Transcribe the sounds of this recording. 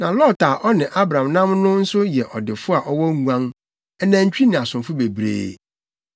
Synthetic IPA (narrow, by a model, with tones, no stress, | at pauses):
nã˨lɔ˦taː˨ʔɔ˦nɪ̃˨ʔa˦bɾã˨mnã˦mnʊ̃˦n̩˦sʊ˦jɛ˨ʔɔ˨dɪ˨fʊ˦a˨ʔɔ˦wɔ˦ŋũ˨ã˦n | ɛ˦nã˨ɲ̩˦t͡ɕᶣi˦nɪ̃˨a˨sʊ̃˨mfʊ˦be˨bɾḛː˦˨